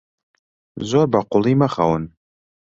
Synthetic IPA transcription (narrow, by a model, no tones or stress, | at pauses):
zorbaqʊlˠimaχa̰wən